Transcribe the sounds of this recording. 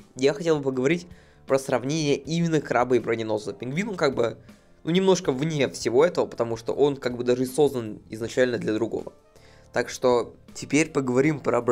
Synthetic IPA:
jaxɐtʲelˠbɨpəɡəvɐɾʲitʲ | pɾəsrɐvnʲenʲɪjəʔimʲɪnːəkrabəibɾənʲɪno̞zəpʲɪnɡvʲinonkaɡ̚bɨ | nunʲɪmno̞ʂkəvnʲefsʲɪvo̞ɛt̪əvəpə̥t̪ɐmuʂt̪o̰ʔo̞nkaɡ̚bɨd̪aʐɨso̞znənɪ̰znɐt͡ɕælʲnəd̪lʲəd̪ɾʊɡo̞̰və̰ | t̪akʂt̪o̞tʲɪpʲeɾʲpəɡəvɐɾʲimpɾəb

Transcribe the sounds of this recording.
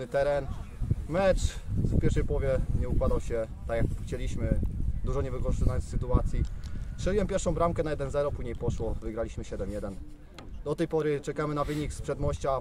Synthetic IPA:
ɘt̪ɛɾɛnmɛt͡ʂfpʲjɛɾfʂɛjpwɔvʲjɛɲɛukwad̪awɕɛt̪akjakxt͡ɕɛlʲiɕmɘd̪uʐɔɲɛvɘkɔʐt̪najɔnsɘt̪uat̪sʲjit̪ʂɛlʲiwɛmpʲjɛɾʂɔ̃w̃bɾamkɛnajɛd̪ɛnzɛɾɔpuʑɲejpɔʂwɔvɘɡɾalʲiɕmɘɕɛd̪ɛmjɛd̪ɛn | d̪ɔt̪ɛjpɔɾɘt͡ʂɛkamɘnavɘɲikspʂɛd̪mɔɕt͡ɕa

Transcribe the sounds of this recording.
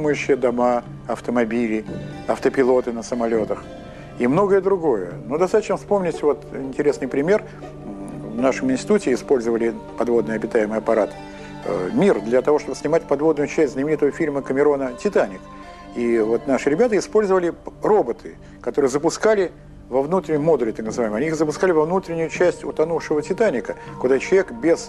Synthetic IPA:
mɨjʉɕːɪjəd̪ɐma | ɐft̪əmɐbʲilʲɪ | ɐft̪əpʲɪlˠo̞t̪ɨnəsəmɐlʲo̞t̪əx | imno̞ɡəjəd̪ɾʊɡo̞jə̰nud̪ɐst̪at̪ət͡ɕnəfspo̞mnʲɪtʲvo̞t̪ɪnʲtʲɪɾʲe̞snɨjpɾʲɪmʲe̞r | vnaʂɨmɪnsʲtʲɪ̥t̪utʲɪːspo̞lʲzəvəlʲɪpɐd̪vo̞d̪nɨjɐbʲɪt̪ajɪmɨjɐpɐɾat̪ | mʲird̪lʲɐt̪ɐvo̞ʂt̪o̞bəsʲnʲɪmatʲpɐd̪vo̞d̪nʊjʊt͡ɕɛsʲtʲznəmʲɪnʲɲit̪əvəfʲilʲməkəmʲɪɾo̞nətʲɪt̪anʲɪk | ivo̞t̪naʂɨɾʲɪbʲat̪əɪspo̞lʲzəvəlʲɪro̞bət̪ʰɨ | kɐt̪o̞ɾɨjəzəpʊskalʲɪ | vɐvnut̪ɾʲɪnʲɪmo̞d̪ʊlʲɪt̪aknəzɨvajməɐnʲiixzəpʊskalʲɪvɐvnut̪ɾʲɪnʲʊjʊt͡ɕæsʲtʲʊ̰t̪ɐnufʂɨvətʲɪt̪anʲɪkəkʊd̪at͡ɕɪlˠɐvʲekbʲes

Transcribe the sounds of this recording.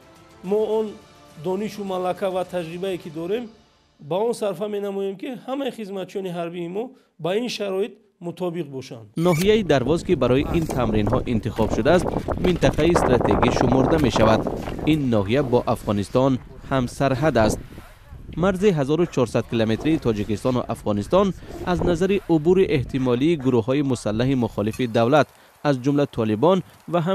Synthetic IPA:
mɔɔnd̪ɔniʃumalakʰavat̪ʰad͡ʒɾibaekʰid̪ɔɾe̞m | baɔnsaɾfame̞namɔjemkihamaiχizmat̪t͡ʃijɔniɦaɾbiːmɔ | bainʃaɾɔit̪̚ | mut̪ʰɔbiqbɔʃand̪̥nɔɦijaid̪aɾvɔzkibaɾɔjiʔint̪ʰamɾinɦɔʔint̪iχɔbʃud̪aːst̪mint̪aqʰaist̪ɾat̪ʰe̞̰ɡiʃumɔɾd̪ame̞ʃavad̪inːɔɦijabɔʔafʁɔnist̪ɔn | hamsaɾɦad̪ast̪̚ | maɾziɦazɔɾut͡ʃʰɔɾsad̪̚kilome̞t̪ɾiːt̪ʰɔd͡ʒikist̪ɔnṵʔafʁɔnist̪ɔnaznazaɾiʔubuɾiʔe̞ht̪ʰimɔliːɡuɾuhɦɔimusalːaɦimuχɔlifid̪avlat̪ | azd͡ʒumlat̪ʰɔlibɔn | vaɦa

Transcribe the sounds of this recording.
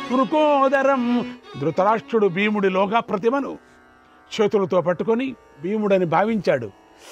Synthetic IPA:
puɾukõːɔːd̪ɐɾɐmd̪ɾut̪ɐɾaːʂʈɾuɽubiːmuɽilɔːɡɐpɾɐt̪̬imɐnu | t͡ʃeːt̪ulɐt̪o̞ːpɐʈːukoni | biːmuɽɐnibʱaːʋiɲt͡ʃaːɽṵ

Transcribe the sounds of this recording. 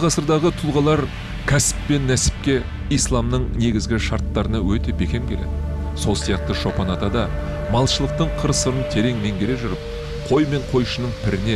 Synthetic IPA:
qʰɑsəɾd̪ɑʁət̪ʰʊlˠʁɑlˠɑɾ | kʲʰæsɪ̥pːe̞nːæsɪ̥p̚kʲe̞ | ijslˠɑmnəɴne̞ɡʲɪzɡʲɪʃɑɾt̪ːɑɾənɑwɵt̪e̞be̞kʲe̞mkʲʰe̞le̞d̪ɪ | so̞lˠsijɑq̚t̪əʃo̞pɑnɑt̪ɑd̪ɑ | mɑlˠʃəlˠəq̚t̪əɴqʰəɾsəɾənt̪ʰe̞ɾe̞ŋme̞ŋɡʲe̞ɾe̞ʒʏɾɪp̚ | qʰo̞jme̞ɴqʰo̞jʃənəɴpʰɪɾɪne̞

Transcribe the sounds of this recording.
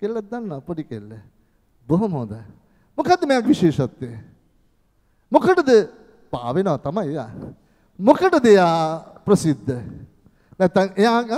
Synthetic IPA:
kelːɐd̪ɐnːɐpoɽikelːe | boɦumoːd̪ɐ | mukʰat̪ːmejãːkʋiʃeːʃɐt̪ːe | mukʰɐʈɐd̪ɨ | pa̰ːʋenɐɐt̪ɐmɐeja̰ | mukʰɐʈɐd̪ejaːpɾɐsid̪ʱːɐ | nɐt̪ɐejaː

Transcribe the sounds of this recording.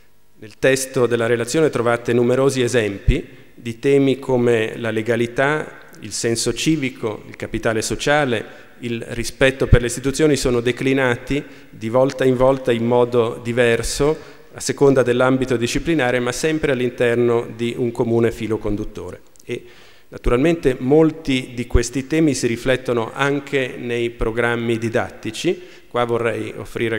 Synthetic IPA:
nelt̪ɛst̪od̪elːaɾelat̪sːjoːnet̪ɾovaːt̪enumeɾoːziezɛmpi | d̪it̪ɛːmikʰomelaleɡalit̪a | ḭlsɛnsot͡ʃiːvikʰo̰ḭlkapit̪aːlesot͡ʃaːle | ilrispɛt̪ːoperleist̪it̪ut̪sːjoːnisoːnod̪eklinaːt̪i | d̪ivɔlt̪aiɱvɔlt̪aimmɔːd̪od̪ivɛrso | asːekond̪ad̪elːambit̪od̪it͡ʃːiplinaːɾemasɛmpɾealːint̪ɛrnod̪iʔuŋkomuːnefiːlokond̪ut̪ːo̰ːɾḛ | e | nat̪uɾalment̪emolt̪id̪ikwest̪it̪ɛːmisiɾiflɛt̪ːonoʔaŋkʰenejpɾoɡɾamːid̪id̪a̰t̪ːit͡ʃi | kwavːorːɛjo̰fːɾiːɾe

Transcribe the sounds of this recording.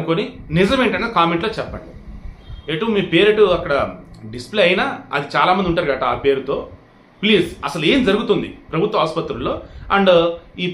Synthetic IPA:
ukoːninizɐmeːɳʈɐnːekaːmeɳʈloːt͡ʃɛpːɐɳɖi | eʈːumiːpe̞ːɾeʈuɐkːɐɽɐɖisplejɐjinaːɐ̰d̪it͡ʃaːlaːmɐnd̪iuɳʈaːɾɡaːʈɐaːpe̞ːɾut̪o̞ː | pliːzɐsɐlue̞ːmd͡ʒɐɾuɡut̪und̪ḭpɾɐbʱut̪ʋɐɦaːspɐt̪ɾulːo̞ːɐɳɖiː

